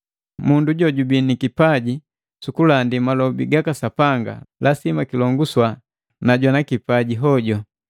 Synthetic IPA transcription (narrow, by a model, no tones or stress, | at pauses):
munduɟɔɟubinikipaɟi | sukulandimalɔbḭɡakasapaŋɡa̰lʔasimakilɔŋɡuswa | naɟwanakipaɟiɦɔɟɔ